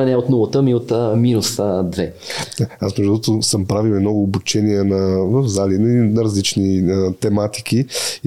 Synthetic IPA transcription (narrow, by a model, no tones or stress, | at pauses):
ɛnɛot̪nulˠɐt̪ɤmiot̪ːminusd̪vɛ | asmɛʒd̪uɔt̪ʊsəmpɾaviwɛmnɔɡʊːbut͡ʃɛniɛnɐvəvzalininɐɾɐzlit͡ʃniət̪ɛmat̪i̥k̟i